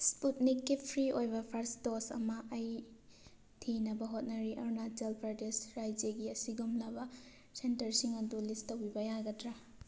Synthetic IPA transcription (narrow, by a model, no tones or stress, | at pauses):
sput̚nikːipʰɾiojbɐpʰɐɾstosɐ̰mɐʔːj | tʰinɐbɐɦot̚nɐɾiʔɐɾnatelpʰaɾdesɾajd͡ʒeɡiɐsiɡumnɐbɐ | sentɐɾsiŋɐdulistɐwbibɐjaɡɐtɾa